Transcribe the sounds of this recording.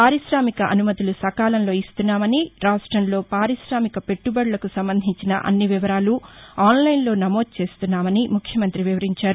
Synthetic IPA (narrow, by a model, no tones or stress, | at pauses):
paːɾiʃɾaːmikɐʔɐ̰numɐt̪ilusɐkaːlɐnlo̞ːist̪unːaːmɐniɾaːʂʈɾɐmlo̞ːpaːɾiʃɾaːmikɐpe̞ʈːubɐɽlɐkusɐmbɐnd̪ʱiɲt͡ʃinɐ̰ʔɐ̰nːiʋiʋɐɾaːluaːnlɐjnlo̞ːnɐmo̞ːd̪̚t͡ʃe̞ːst̪unːaːmɐnimukʰjɐmɐnt̪ɾiʋiʋɐɾiɲt͡ʃaːɾu